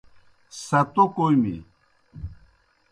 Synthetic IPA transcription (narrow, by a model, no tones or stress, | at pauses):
sɐt̪okojmḭ